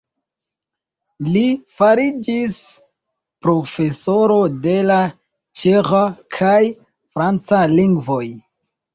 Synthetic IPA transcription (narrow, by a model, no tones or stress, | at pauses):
lifaɾid͡ʒis | pɾo̞fe̞so̞ɾo̞de̞la | t͡ʃeχakʰaj | fɾant͡saliŋɡvo̞j